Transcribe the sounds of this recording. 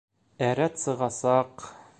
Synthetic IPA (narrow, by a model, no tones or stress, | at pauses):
æɾæt̪sɤ̆ʁɑsɑq